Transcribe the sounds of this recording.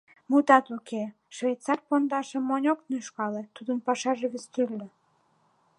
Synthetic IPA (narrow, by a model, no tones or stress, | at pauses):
mut̪ɑt̪ukʰe | ʃvej̪t͡sɑrpond̪ɑʃĕmːonʲoknyʃkɑlet̪ud̪ənpɑʃɑʒeβest̪ølʲːĕ